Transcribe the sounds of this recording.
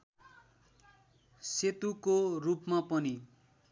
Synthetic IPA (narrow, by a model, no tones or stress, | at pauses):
set̪ukorupmapʌni